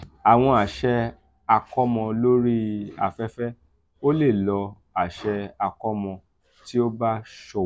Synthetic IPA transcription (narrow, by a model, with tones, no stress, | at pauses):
a˨w̃ɔ̃˧a˨ʃɛ˦ | a˧kɔ˦mɔ̃˧lo˦ɾi˦a̰˧fɛ˦fɛ˦ | o˦le˦˨lɔ˧ | a˨ʃɛ˧a˧kɔ˦mɔ̃˧ | ti˦o˦ba˦ʃɔ˧